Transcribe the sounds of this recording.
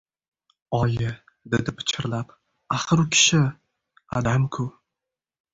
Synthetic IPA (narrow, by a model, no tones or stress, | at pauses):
ɒjɪ | d̪ed̪ɪpʰɪ̥t͡ʃʰɪɾlap | aχɨɾʊkʲʰɪ̥ʃɪ | a̰d̪amkʰʊ